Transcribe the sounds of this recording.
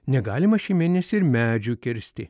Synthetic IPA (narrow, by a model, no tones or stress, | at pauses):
nʲɛɡɑːlʲɪmɐʃʲimʲeːnʲɛsʲɪɪɾmʲæːd͡ʒʲuːkʲɪɾʲsʲt̪ʲɪ̰